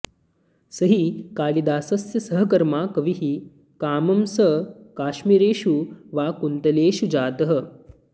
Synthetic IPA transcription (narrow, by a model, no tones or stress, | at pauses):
sɐɦikaːlid̪aːsɐsjɐsɐɦɐ̆kɐɾmaːkɐʋiɦi | kaːmɐmsɐkaːʃmiːɾeːʃuʋaːkunt̪ɐleːʃud͡ʒaːt̪ɐɦə̆